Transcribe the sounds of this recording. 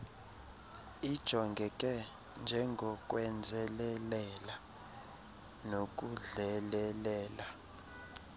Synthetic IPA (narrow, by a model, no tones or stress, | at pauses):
id̥ʒ̥ʱɔŋɡʱɛk̬ʼɛ | nd͡ʒʱɛŋɡʱɔk̬ʼwɛnd͡zʱɛlɛlɛla | nok̬ʼuɮɛlɛlɛːla